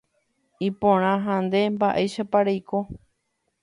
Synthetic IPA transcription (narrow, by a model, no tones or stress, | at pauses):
ipõɾ̃ãɦãnd̪e̞mbaʔeʃapaɾejko